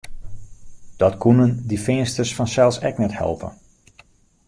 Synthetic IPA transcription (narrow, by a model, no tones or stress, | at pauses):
d̥ɔtkunəndifɪənstərsfɔnsɛlˠsɛ̰knɛthɛ̰lˠpə̰n